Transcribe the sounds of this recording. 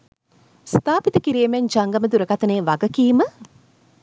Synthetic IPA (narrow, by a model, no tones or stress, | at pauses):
st̪aːpit̪əkiɾijːmeɲd͡ʒaŋɡaməd̪uɾəɡat̪əneːʋaɡəkiːmə